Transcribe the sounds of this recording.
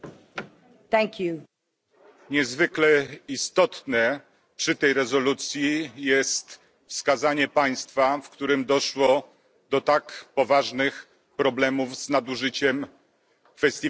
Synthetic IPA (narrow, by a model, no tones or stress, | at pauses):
t̪ɛ̃ŋkʰju | ɲɛzvɘklɛist̪ɔt̪nɛ | pʂɘt̪ɛjɾɛzɔlut̪sʲjijɛst̪ | fskazaɲɛpaj̃st̪fafkt̪uɾɘmd̪ɔʂwɔ | d̪ɔt̪akpɔvaʐnɘx | pɾɔblɛmuvznad̪uʐɘt͡ɕɛm | fɛsʲt̪ʲi